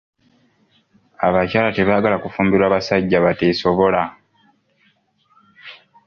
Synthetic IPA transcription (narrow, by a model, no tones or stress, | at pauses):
aβacaːlate̞βaːɡalakufuːmbiɾaːβasaɟːaβate̞so̞βo̞la